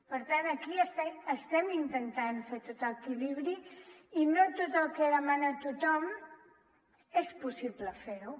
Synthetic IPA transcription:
pəɾt̪anəkiəst̪ɛəst̪ɛmint̪ənt̪anfeɾt̪ot̪əkiliβɾiinot̪ot̪əlˠkɛðəmanət̪ut̪ɔm | espusiβləfeɾu

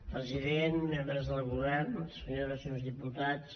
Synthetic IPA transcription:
pɾəziðenmembɾəzðəlˠɣuβɛrnsəɲoəsonzðiput̪at͡s

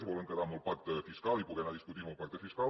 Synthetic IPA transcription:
svoləŋkəd̪amulpak̚t̪fiskalipuk̪enad̪iskut̪iopak̚t̪efiska

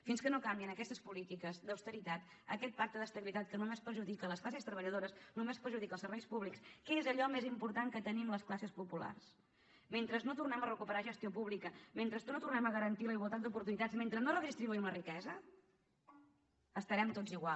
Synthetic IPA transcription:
finskənokambiənəkɛst̪əspulit̪ikəzd̪əwst̪əɾit̪at̪ | ə̰kɛt̪̚pak̚t̪əðəst̪əβilit̪at̪̚kənumespəɾʒuðikələsklasest̪ɾəβəʎəðoɾəsnumespəɾʒuðikəlˠsəɾβɛjspuβlikskɛezəʎɔmezimpuɾt̪aŋkət̪ənimləsklasəspupula̰rs | ment̪ɾəznot̪urnɛmərəkupəɾaʒəst̪iopuβlikəment̪ɾəsnot̪urnɛməɣəɾənt̪iləiɣwəlˠt̪at̪d̪upuɾt̪unit̪azment̪ɾəznorəɣzist̪ɾiβuiunərikɛzə | əst̪əɾɛmt̪od͡ziɣwa

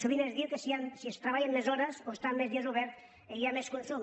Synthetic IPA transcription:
suβinezðiwkesiansiest̪ɾaβajenlezɔɾesoest̪amːezðiezuβɛɾt̪ | ejameskunsum

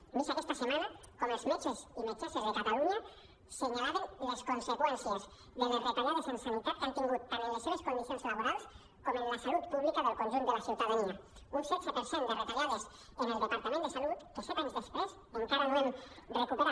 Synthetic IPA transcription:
misoest̪asemana | komezlot͡ʃesinot͡ʃasezðekat̪aluɲa | seɲalaβaŋleskonsekwenθjas | ðonerot̪aɣaðosensalut̪at̪kant̪iŋɡut̪̚paɾeneseeskomisaselaβoɾals | komenlasalut̪̚puβlikaðelkonʒond̪elaθjuwt̪aðania | unsesopeɾsond̪erot̪aɣaðos | oðeld̪epaɾt̪amend̪esalut̪t̪osot̪anzðespwesmont̪aβanenrrekoβo

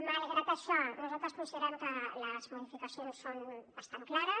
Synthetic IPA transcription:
maleɣɾat̪aʃanozalt̪ɾɐspũnsjeɾamkɐlɐzmoðifikasjonsːonbast̪aŋklaɾɐ

